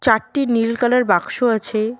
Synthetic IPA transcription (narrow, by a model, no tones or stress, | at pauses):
t͡ɕaɾʈinilkalaɾbakʃoat͡ɕʰe